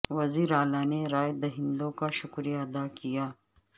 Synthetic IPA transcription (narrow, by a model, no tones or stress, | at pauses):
wɐziːɾaːlaːneɾaːjd̪ɐɦɪ̃nd̪õkaʃʊkɾijaɐd̪aːkijaː